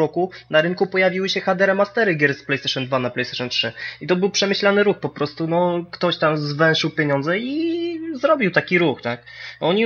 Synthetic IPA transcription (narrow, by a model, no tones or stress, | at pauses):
ɔkunaɾɘŋkupɔjavʲiwɘɕɛxad̪ɛɾɛmast̪ɛɾɘɡʲɛɾsplɛjst̪ɛʂɔnd̪vanaplɛjst̪ɛ̥ʂɛntʂɘit̪ɔbɘwpʂɛmɘɕlanɘɾuxpɔpɾɔst̪unɔkt̪ɔɕt̪amzvɛwʂɘwpʲjeɲɔnd̪zɛizɾɔbʲiwt̪akʲiɾuxt̪akɔɲi